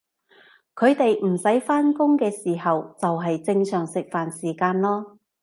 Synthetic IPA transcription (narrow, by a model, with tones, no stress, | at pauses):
kʰɵ˨˧ɥt̪e˨jm̩˨˩sɐ˨˥jfaː˥nkʊ˥ŋkɛː˧siː˨˩ɦɐ˨wt͡sɐ˨wɦɐ˨jt͡sɪ˧ŋsœː˨˩ŋsɪ˨k̚faː˨nsiː˨˩kaː˧nlɔː˥